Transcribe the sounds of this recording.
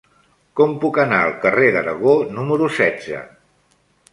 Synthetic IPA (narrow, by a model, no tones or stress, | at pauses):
kɔmpukənaəlˠkəreðəɾəɣ̞onuməɾusɛdd͡zə̰